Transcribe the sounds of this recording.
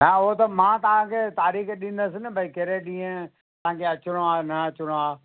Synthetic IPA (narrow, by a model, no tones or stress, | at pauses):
ɦãoɦt̪ɐmãːt̪ɐʋ̤ãkʰeːt̪aːɾiːxɗɪ̃n̆d̪əsɪnɪbʱɐikeɾeɗĩːẽ | t̪ɐ̤ãːkʰeɐt͡ʃɪɽ̃oaːnɐɐt͡ʃɪɽ̃oaː